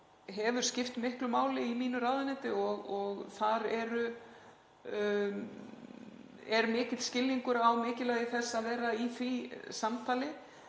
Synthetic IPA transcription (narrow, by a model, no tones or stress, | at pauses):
ɦɛvʏɾ̥scɪft̪mɪhklʏmaːwlɪimiːnʏɾaːðʏnɛt̪ɪɔɣɔɣθaɾɛɾʏ | ɛɾmɪːcɪt̪scɪlːiŋkʏɾawmɪːcɪlɛɣðɪθɛsːaðvɛːɾaiθisamt̪ʰaːlɪ